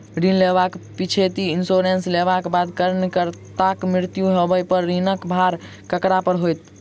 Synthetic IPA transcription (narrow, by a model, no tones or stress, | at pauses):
ɾinleβakpit͡ʃʰet̪iinsoɾenslebakbad̪kəɾnkəɾt̪akmɾiɾt̪juɦebəjpəɾːinəkbʱaɾ | kəkɾapəɾɦojt̪